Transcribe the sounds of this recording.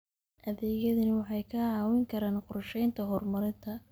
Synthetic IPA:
ʔɐðɛːɣjɐðɐnɐwɑħɑjkʰɐʕɑːwɪŋkʰɐɾaːnqʊrʃɛjnt̪ʰɐɦɔrmɐɾɪnt̪ʰɐ

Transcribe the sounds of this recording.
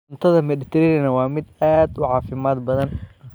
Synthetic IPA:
nt̪ʰɐðɐmɛlɪt̪ʰɾɪɾɪnɐwɑːmɪd̪aːd̪ʊʕɑːfɪmaːd̪bɐðɐn

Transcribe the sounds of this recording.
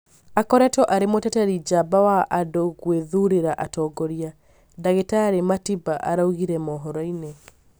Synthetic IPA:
akɔɾɛtɔʔaɾemotɛtaɾid͡ʒabawaʔadoɣweðuɾeɾaʔatɔɡɔɾia | daɣetaːɾematibaʔa̰ɾauɣiɾɛmɔɦɔɾɔine

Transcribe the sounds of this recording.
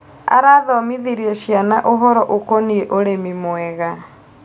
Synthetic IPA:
a̰ɾaːðɔmiðiɾiɛʃianaʔoɦɔɾɔʔokɔnieʔoɾemimwɛɣa

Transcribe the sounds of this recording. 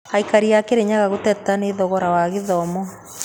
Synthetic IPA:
aikaɾiakeɾeɲaɣaɣotɛtaneðɔɣɔɾawaɣeðɔmɔ

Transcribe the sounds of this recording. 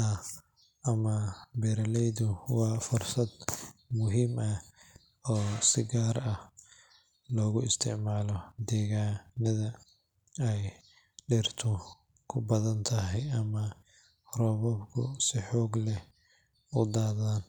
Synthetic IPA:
ɐ | ʔɐmɐbɛɾɐlɛjðʊwɑːfʊrsɐd̪mʊɦiːmɐ | ɔːsɪɡaːrɐh | lɔːɣʊɪst̪ʰɪʕmaːlɔd̪ɛːɣaːnɐðɐ | ɛj | ɖɪrt̪ʰʊ | kʰʊbɐðɐnt̪ʰɐɦɛjɐmɐ | rɔːβɔbkʰʊ̰sɪħɔːɡlɛ | ʊd̪aːðaːn

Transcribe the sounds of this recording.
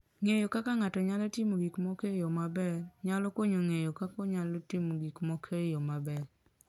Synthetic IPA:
ŋejokakaŋatɔɲalɔtimoɡikmokejɔmabɛɾɲalɔkoɲoŋejokakɔɲalotimoɡikmokʰejɔmabɛɾ

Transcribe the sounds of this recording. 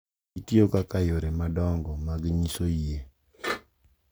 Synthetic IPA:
itiokakajoɾemadɔŋɡɔmaɡɲisoie

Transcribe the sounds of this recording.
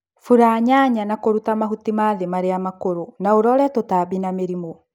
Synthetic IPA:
fuɾaɲaɲanakoɾutamaɦutimaðemaɾeamakoɾonaoɾɔɾɛtotaβinameɾimɔ

